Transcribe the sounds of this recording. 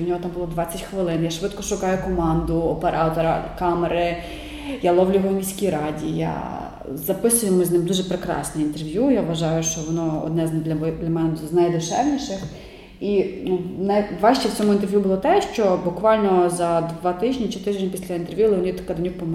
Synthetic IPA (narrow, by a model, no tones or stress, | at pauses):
wnʲɔɦɔt̪ɑmbʊlˠɔd̪ʋɑt͡sʲɐtʲxʋɪlˠɪnjaʃʋɪt̪kɔʃʊkɑjʊkɔmɑnd̪ʊɔpeɾʔɑt̪ɔɾɐ̰kɑmeɾɪ | jalˠɔwlʲʊʋɐmʲijsʲkʲijɾɑdʲija̰ | zɐpɪsʊjemʊznɪmd̪uʒɛpɾekɾɑ̰snʲɛint̪erʋʲjujaʋʋɐʒɑjʊʃt͡ʃɔʋɔnɔɔ̰d̪nɛd̪lʲɐd̪lʲɐmɛnɛznɐjd̪ʊʃɛʋnʲiʃɪx | inunɐjʋɑʃt͡ʃɛwt͡sʲɔmʊint̪eɛrʋʲjubʊlˠɔt̪ɛʃt͡ʃɔbʊkʋɑlʲnɔzɐd̪ʋɑt̪ɪʒʲnʲit͡ʃɪt̪ɪʒʲɲʲɐpʲisʲlʲɐint̪erʋʲjulˠɪnʲit̪kɐd̪nʲuk̚pɔm